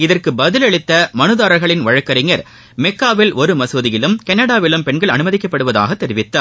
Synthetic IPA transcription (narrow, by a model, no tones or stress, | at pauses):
ɪðɐrkɯbɐðɪlɐɭɪt̪ːɐmɐnɯðaːɾɐɾɣɐɭɪnʋɐɻɐkːɐɾɪŋɡɐɾ | mɛkːaːʋɪlʔɔɾɯmɐsoːðɪjɪlɯmkɐɳːɐɽaːʋɪlɯmpɛɳɡɐɭɐnɯmɐðɪkːɐpːɐɽɯʋɐða̰ːɣɐt̪ːɛɾɪʋɪt̪ːa